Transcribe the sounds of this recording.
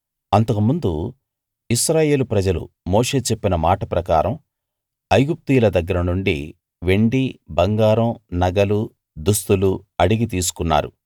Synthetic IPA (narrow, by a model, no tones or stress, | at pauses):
ɐnt̪ɐkumund̪u | iʃɾaːje̞ːlupɾɐd͡ʒɐlṵ | mo̞ːʂe̞ːt͡ʃepːinɐmaːʈɐpɾɐkaːɾɐm | ɐjɡup̚t̪iːlɐd̪ɐɡːɐɾɐnuɳɖḭ | ʋe̞ɳɖibɐŋɡaːɾɐmnɐɡɐlu | d̪ust̪uluɐɽiɡit̪iːs̬u̥kunːa̰ːɾṵ